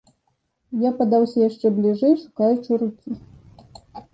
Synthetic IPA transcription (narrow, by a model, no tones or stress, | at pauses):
japad̪awsʲɐjaʂt͡ʂɛblʲiʐɛjʂu̥kajut͡ʂɨɾukʲi